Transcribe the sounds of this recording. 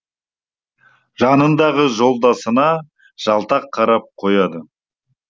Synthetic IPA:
ʒɑnənd̪ɑʁəʒo̞lˠd̪ɑsənɑ | ʒ̥ɑlˠt̪ɑqʰːɑɾɑp̚qʰo̞jɑd̪ə

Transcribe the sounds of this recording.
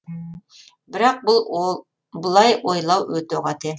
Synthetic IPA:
bɪɾɑq̚bulˠ | bʊlˠɑjojlˠɑwɵt̪oʁɑt̪ʰɪ

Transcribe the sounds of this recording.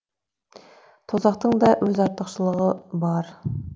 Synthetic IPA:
t̪ʰozɑqt̪əɴd̪ɑwɵzɑɾt̪əqʃəlˠəʁəbɑɾ

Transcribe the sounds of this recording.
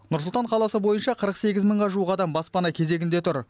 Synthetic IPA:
nʊɾsʊlˠt̪ɑɴqʰɑlˠɑsəbo̞jənʃɑqʰəɾəqse̞ɡʲɪzməɴʁɑʒuəqɑd̪ɑmbɑspɑnɑkʲʰe̞ze̞ɡʲɪnd̪e̞t̪ʰʊɾ

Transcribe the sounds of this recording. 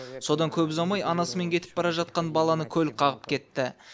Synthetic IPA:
so̞d̪ɑŋkʲʰɵbɪzɑmɑjɑnɑsəme̞ŋkʲʰe̞t̪ɪ̥p̚bɑɾɑʒɑt̪̚qɑnbɑlˠɑnəkʲʰɵlqʰɑʁəpkʲʰe̞t̪ːɪ

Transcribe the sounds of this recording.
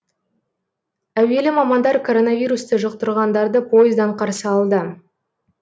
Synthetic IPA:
æwe̞lɪmɑmɑnd̪ɑɾkʰo̞ɾo̞nɑvʲijɾust̪əʒəq̚t̪əɾʁɑnd̪ɑɾd̪əpʰo̞jɪzd̪ɑɴqʰɑɾsəɑlˠd̪ə

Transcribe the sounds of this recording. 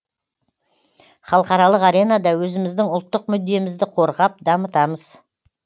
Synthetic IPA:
χɑlˠqɑɾɑlˠəqɑɾenɑd̪ɑwɵzɪmɪzd̪ɪŋʊlˠt̪ːəq̚mʏd̪ːe̞mɪzd̪ɪqʰo̞ɾʁɑp̚d̪ɑmət̪ɑməz̥

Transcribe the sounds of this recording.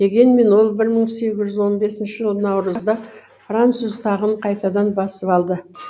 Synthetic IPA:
d̪̥e̞ɡʲe̞nme̞nwo̞lˠbɪɾməɴse̞ɡʲɪzʒʏzwo̞nbe̞sɪnʃɪʒəlˠənɑwɾəzzd̪ɑ | frant̪suzt̪ʰɑʁəɴqʰɑjt̪ɑd̪ɑnbɑsəpɑlˠd̪ə

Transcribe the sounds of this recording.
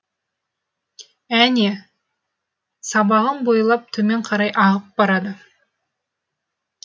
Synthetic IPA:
æne | sɑbɑʁənbo̞jlˠɑp̚t̪ʰɵme̞ɴqʰɑɾɑjʔɑʁəp̚bɑɾɑd̪ə

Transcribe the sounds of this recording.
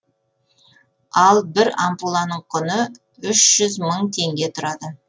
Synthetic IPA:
ɑlˠbɪɾampulˠɑnəɴqʰʊnə | ʏʃʒ̥ʏzməɴt̪ʰe̞ŋɡʲe̞t̪ʰʊɾɑd̪ə

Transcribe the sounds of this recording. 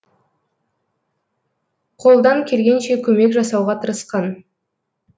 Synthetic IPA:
qʰo̞lˠd̪ɑŋkʲʰe̞lɡʲe̞nʃe̞kʲʰɵme̞kʒɑsɑwʁɑt̪ʰəɾəsqɑn

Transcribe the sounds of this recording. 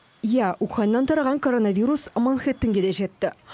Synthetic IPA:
jæʔuχɑnnːɑnt̪ʰɑɾɑʁɑŋkʰo̞ɾo̞nɑvʲiɾusmɑnχet̪ːɪŋɡʲe̞d̪e̞ʒe̞t̪ːɪ

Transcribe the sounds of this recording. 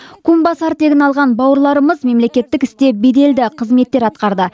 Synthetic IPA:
kʰumbɑsɑɾt̪ːe̞ɡʲɪnɑlˠʁɑnbɑwəɾlˠɑɾəməzme̞mle̞kʲe̞t̪ːɪkɪst̪e̞be̞d̪e̞ld̪ɪqʰəzme̞t̪ːe̞ɾɑt̪qɑɾd̪ə

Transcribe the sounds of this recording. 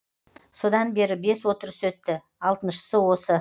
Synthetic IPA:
so̞d̪ɑnbe̞ɾɪbe̞swo̞t̪əɾəswɵt̪ːɪ | ɑlˠt̪ənʃə̥səwo̞sə

